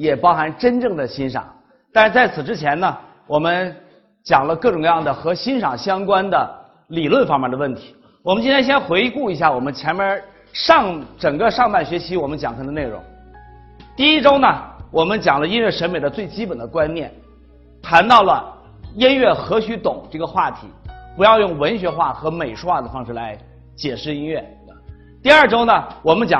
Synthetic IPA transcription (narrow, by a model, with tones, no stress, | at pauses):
jɛ˨˩pɑ˥ʊxa˧˥nʈ͡ʂə˥nʈ͡ʂɤ˥˩ŋd̪ə˩ɕi˥nʂɑ̰˨˩˦ŋ | t̪a˥˧ʂɻ̩˥˧t͡sa˥˩ɪt͡sʰɹ̩˨˩ʈ͡ʂɻ̩˥t͡ɕʰjɛ˧˥nnə˨ | wɔ˨˩mə˦n | t͡ɕjɑ˨˩ŋlə˦kɤ˥˩ʈ͡ʂʊ˨˩ŋjɑ˥˩ŋd̪ə˩xɤ˧˥ɕi˥nʂɑ˨˩ŋɕjɑ˥ŋkwa˥nd̪ə˨ | li˨˩lwə˥˩nfɑ˥ŋmjɛ˥˩nd̪ə˩wə˥˩nt̪ʰi̥˧˥ | wɔ˨˩mə˦nt͡ɕi˥nʰjɛ˥ɕjɛ˥nxwe˧˥ɪku˥˩i˧˥ɕja˥˩wɔ˨˩mə˦nt͡ɕʰjɛ˧˥nmjɛ˧˥ | ʂɑ˥˧ŋʈ͡ʂɤ˨˩ŋɡə˦ʂɑ˥˧ŋpa˥˩nɕɥɛ˧˥t͡ɕʰi˧˥wɔ˨˩mə˦nt͡ɕjɑ˨˩ŋkʰə˥˧nd̪ə˧ne˥˩ɻʊ̰˧˥ŋ | t̪i˥˩i˥ʈ͡ʂo˥ʊnə˨wɔ˨˩mə˦nt͡ɕjɑ˨˩ŋlə˦i˥nɥɛ˥˩ʂə˧˥nme˨˩ɪd̪ə˦t͡swe˥˩ɪt͡ɕi˥pə˨˩nd̪ə˦kwa˥nnjɛ̰˥˩n | t̪ʰa˧˥nt̪ɑ˥˩ʊlə˩ | i˥nɥɛ˥˩xɤ˧˥ɕy˧˥t̪ʊ˨˩˦ŋʈ͡ʂɤ˥˩ɡə˩xwa˥˩t̪ʰḭ˧˥pu˧˥jɑ˥˧ʊjʊ˥˩ŋwə˧˥nɕɥɛ˧˥xwa˥˩xɤ˧˥me˨˩ɪʂwa˥˩d̪ə˩fɑ˥ŋʂɻ̩˥˩la˧˥ɪ | t͡ɕjɛ˨˩ʂɻ̩˥˩i˥nɥɛ˥˩ | t̪i˥˧ɐə˞˥˩ʈ͡ʂo˥ʊnə˨wɔ˨˩mə˦nt͡ɕjɑ˨˩